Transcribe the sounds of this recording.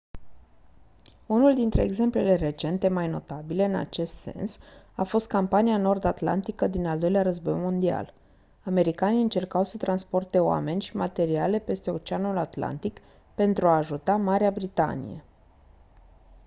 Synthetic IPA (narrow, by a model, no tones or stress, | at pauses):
unuld̪int̪ɾe̞ːɡze̞mple̞le̞re̞t͡ʃe̞nt̪e̞majno̞t̪abile̞ɨna̰t͡ʃe̞st̪se̞̰nsafo̞st̪̚kampaniano̞rd̪at̪la̰nt̪ikəd̪inald̪o̞jleaɾəzbo̞jmo̞nd̪ia̰l | ame̞ɾikaniɨnt͡ʃe̞rkawsət̪ɾanspo̞rt̪e̞oa̰me̞nʲʃimat̪e̞ɾiale̞pe̞st̪e̞o̞t͡ʃeanulat̪la̰nt̪ik | pe̞nt̪ɾuaːʒut̪amaɾeabɾit̪a̰nḭjḛ